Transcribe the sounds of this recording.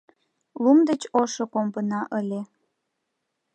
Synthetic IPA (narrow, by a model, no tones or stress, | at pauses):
lumd̪et͡ɕoʃokompənɑʔəlʲe